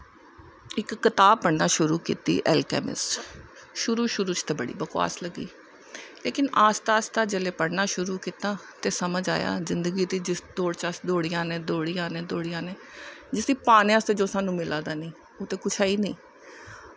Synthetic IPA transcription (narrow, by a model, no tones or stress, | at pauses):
ɪkːɪt̪aːb̚pəɽnaːʃʊɾuːkḭːt̪ḭːʔɛ̰ːlkɛ̰ːmɪ̰s | ʃʊɾuːʃʊɾuːt͡ʃt̪eːbəɽḭːbəkwa̰ːsləɡːḭː | leːkɪnaːst̪aːst̪aːd͡ʒeːleːpəɽnaːʃʊɾuːkiːt̪aː | t̪eːsəməd͡ʒaːja̰ːzɪnd̪əɡiːd̪iːd͡ʒɪsd̪oːɽt͡ʃaːsd̪oːɽɪjãːnẽːd̪oːɽijãːnẽːd̪oːɽɪjãːneːd͡ʒɪsiːpaːnẽːaːst̪eːd͡ʒoːsaːnũːmɪlʔãːd̪aːniː | oːt̪eːkʊt͡ʃʰaːiːniː